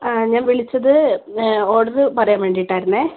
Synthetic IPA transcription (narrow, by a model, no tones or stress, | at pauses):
ɲaːnʋiɭit͡ɕːɐðɨ | oːɽɐðɨpɐrɐjaːnʋeɳɖijiʈːaːjiɾunːeː